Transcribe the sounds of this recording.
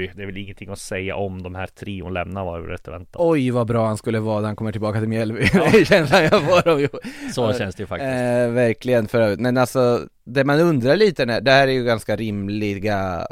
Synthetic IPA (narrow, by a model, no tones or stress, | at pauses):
jd̪ɛɾvɛlɪŋːənt̪ʰɪŋːɔsɛjːa̰ʔɔmd̪ɔmhæːt̪ʰɾiːʊnlɛ̰mnaɾva̰ɾɾɛ̰t̪ːəvɛ̰nt̪ːaɔjvabɾɑːhanskɵlːəvɑːd̪aɾhankɔmːəʈʰɪlbɑːkat̪ʰɪlmjɛlvɪnɛjɕɛnslanjafoːɖɔmjsɔɕɛnsd̪ɛjɵfakvæɾklɪɡənfœɾœːvɾɪt̪mɛnalsɔ | d̪ɛmanɵnd̪ɾaɭiːt̪ənæːɖɛhæːɾæɾjɵɡanskaɾɪmlɪɡa